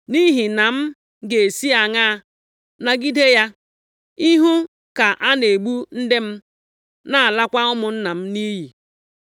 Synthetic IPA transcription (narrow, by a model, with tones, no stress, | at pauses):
ni˦ɦi˨na˨m̩˦ | ɡe˨si˦a˨ŋa˦˨ | na˨ɡi˦de˦ja˦ | i˦ɦu˦ | ka˨ʔa˦ne˨ɡ͡bu˦n̩˦de˦m̩˦ | na˨a˨la˦kʷa˦ʊ˦mʊ˨n̩˦na˨m̩˦ni˦ɦi˨